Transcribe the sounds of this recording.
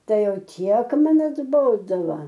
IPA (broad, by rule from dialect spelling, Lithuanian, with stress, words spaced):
ˈtɐɪ ˈjɛʊ ˈtʲiɛk ˈmɐn ɐdˈboːdoːʋɐ